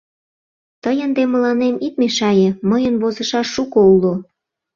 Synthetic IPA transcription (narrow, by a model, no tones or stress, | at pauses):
t̪əjənd̪emə̆lɑnemit̪̚meʃɑjĕməjənβozə̆ʃɑʃːukoulo